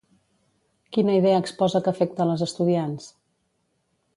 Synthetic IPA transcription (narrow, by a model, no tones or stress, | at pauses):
kinəiðɛəːkspɔzəkəfɛk̚t̪ələzəst̪uðians